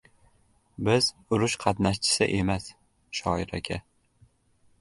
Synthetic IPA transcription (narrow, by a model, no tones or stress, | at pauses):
bɪz | ʊɾʊʃqʰɑt̪naʃt͡ʃʰɪ̥sɪ̰ʔe̞mas | ʃɒɪɾa̰kʲʰa